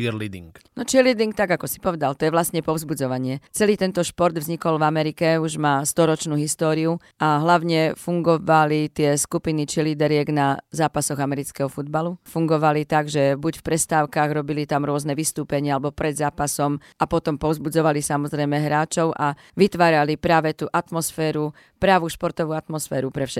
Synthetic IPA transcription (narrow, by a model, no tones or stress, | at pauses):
iɾlid̪ḭŋknɔt͡ʃiɾlid̪iŋk̚t̪aɡakɔsi̥pɔʋɛd̪alt̪ɔjɛʋlast̪ɲɛpɔʊzbud͡zɔʋaɲɪɛt͡sɛliːt̪ɛnt̪ɔʃpɔɾd̪vzɲikɔlvamɛɾikɛuʒmaːst̪ɔɾɔt͡ʃnuːɦist̪ɔːɾiu | ʔaɦlaʊɲɛfuŋɡɔʋalit̪ɪɛskupinit͡ʃiliːd̪ɛɾɪɛɡnazaːpasɔɣamɛɾit͡skɛɦɔfud̪̚balufuŋɡɔʋalit̪aɡʒɛbucfpɾɛst̪aːʊkaɣɾɔbilit̪amɾʊɔznɛʋist̪uːpɛɲɪaalɛbɔpɾɛd̪zaːpasɔm | apɔt̪ɔmpɔzbud͡zɔʋalisamɔzɾɛjmɛɦɾaːt͡ʃɔʊʔa | ʋit̪ʋaːɾalipɾaːʋɛt̪uːʔat̪mɔsfɛːɾu | pɾaʋuːʃpɔɾt̪ɔʋuːat̪mɔsfɛ̰ːɾupɾɛfʃɛ